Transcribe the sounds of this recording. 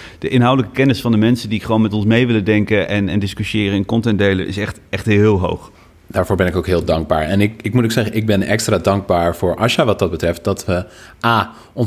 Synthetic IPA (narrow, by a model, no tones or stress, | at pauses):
d̥əʔɪnɦawdələkəkɛnɪsfɑndəmɛnsədiχəʋownmɛtɔnsmejʋɪlədɛŋkəʔɛnɛndɪskyʃɪːrəɪnkɔntɛndejləʔɪ̰sɛχtɛχtɦɪːlˠɦo̰wχ | d̥aːɹvoːɹbɛnɪkowkɦɪːlˠdɑŋɡ̚ba̰ːɹɛnɪkɪk̚mutoksɛɣəʔɪɡ̚bɪnɛ̰kstraːdɑŋɡ̚baːɹfʊːɹʔɑʃaʋɑt̚dɑd̚bətrɛft̚dɑtʋəʔaː | ɔn